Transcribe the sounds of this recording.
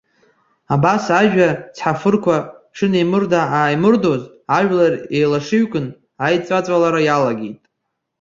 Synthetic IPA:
abasaʒᶣat͡sʰħafɨrkʷaʂɨnejmɨrdaaːjmɨrdo̞z | aʒᶣlarejlaʂɨɥkʷʼɨn | ajt͡sʷʼat͡sʷʼalaɾajalaɡʲejtʼ

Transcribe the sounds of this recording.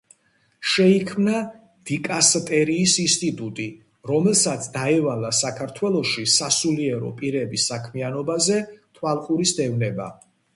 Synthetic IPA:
ʃɛikʰmna | d̪̥ikʼast̪ʼɛɾiːsinst̪ʼit̪ʼut̪ʼi | ɾɔmɛlˠsat̪sʰd̪aɛvalasakʰaɾt̪ʰwɛlˠɔʃisasuliɛɾɔ̰pʼiɾɛbisːakʰmianɔbazɛt̪ʰwalˠqʼuɾisd̪ɛvnɛba̰

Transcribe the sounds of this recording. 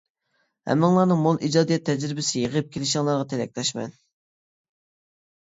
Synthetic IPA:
hɛ̰mːɪŋlˠɑɾnɨŋmolˠʔid͡ʒɑːd̪ijɛt̪ʰːɛd͡ʒɾɪbɪsɪjeʁəp̚kʲʰelɪʃɪŋlˠɑɾʁɑt̪ʰɪlɛk̚ʲlɛʃmɛ̰n

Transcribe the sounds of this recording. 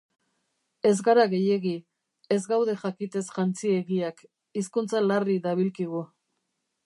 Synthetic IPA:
e̞zɡaɾaɣe̞je̞ɣi | e̞zɡawðe̞ʝakit̪e̞sʝant͡sie̞ɣiak | iskunt͡salariðaβilkiɣ̞u

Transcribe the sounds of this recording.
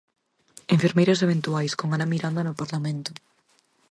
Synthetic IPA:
eɱfeɾmejɾas̬eβ̞ẽnt̪uajskoŋanamiɾand̪anʊpaɾlamẽnt̪ʊ

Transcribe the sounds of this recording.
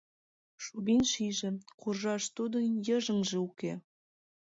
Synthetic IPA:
ʃuβinʃiʒĕkurʒɑʃt̪ud̪ɤ̆jəʒə̆ŋʒĕuke

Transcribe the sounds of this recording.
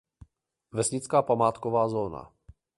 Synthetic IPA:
vɛsɲɪt͡skaːpamaːt̪kovaːzoːna̰

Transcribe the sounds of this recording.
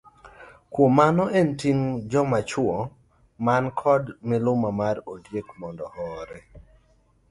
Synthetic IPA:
kwomanɔentiŋd͡ʒɔmat͡ʃwɔ | mankʰɔdmɪlʊmamarodjekmɔndɔhɔɾɛ

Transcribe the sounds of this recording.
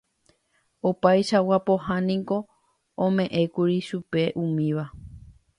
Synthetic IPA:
opajʃawapo̞hãnĩko̞ | õmẽ̞ʔẽ̞kuɾiʃupe̞ʔũmĩʋa

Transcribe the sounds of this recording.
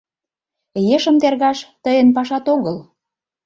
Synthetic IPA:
jeʃə̆mt̪erɣɑʃt̪əjə̆npɑʃɑt̪oɣɤl

